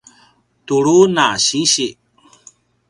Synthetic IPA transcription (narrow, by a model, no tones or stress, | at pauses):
t̪uɭunaɕiɕiʔ